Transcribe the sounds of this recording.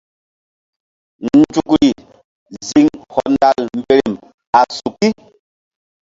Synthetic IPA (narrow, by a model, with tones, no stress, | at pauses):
n˦d͡ʒu˨kɾi˨ | zi˨ŋhɔ˨nda˨lm̩˦˨be˨ɾe˨m | a˨su˨ki˦